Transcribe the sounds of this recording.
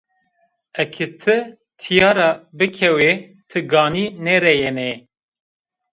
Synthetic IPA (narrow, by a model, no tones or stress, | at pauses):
ɛkʰɨt̪ʰɨ | t̪ʰijɑːɾɑbɨkʰɛwe | t̪ʰɨɡɑːniːnɛɾɛjɛnɛ